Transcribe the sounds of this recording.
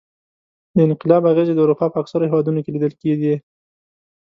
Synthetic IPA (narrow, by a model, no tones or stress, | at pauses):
d̪əɪnqɪlɑbaɣezed̪əuɾupɑpəaksaɾohewɑd̪unokelid̪əlkeɡi